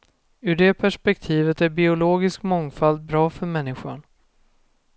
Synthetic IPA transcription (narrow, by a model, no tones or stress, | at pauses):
ɵɖɛpʰæʂpɛk̚t̪ʰiːvət̪æɾbɪʊloːɡɪskmɔŋfald̪̚bɾɑːfœɾmɛnːɪɧa̰ɳ